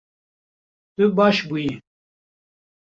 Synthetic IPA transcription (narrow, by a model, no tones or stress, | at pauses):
t̪ɨbɑːʃbuji